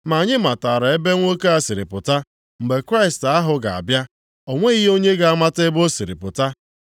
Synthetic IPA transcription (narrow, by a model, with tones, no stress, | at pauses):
ma˨ɲɪ˦ma˨ta˨ɾa˨e˦be˦ŋʷo˦ke˦a˨si˨ɾɪ̰˨pʊ˨ta˦ | m̩˨ɡ͡be˨kɾa˦ɪ˨sta˦ɦʊ˨ɡa˨a̰˨bja˦ | o˨ŋʷe˦i˦ɦo˦ɲe˦ɡa˨a˦ma˦te˦bo˦si˨ɾɪ̰˨pʊ˨ta˦